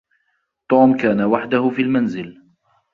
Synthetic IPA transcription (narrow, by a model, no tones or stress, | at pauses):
t̪ˤuːmkaːnawaħd̪ʊhʊfiːlmanzɪl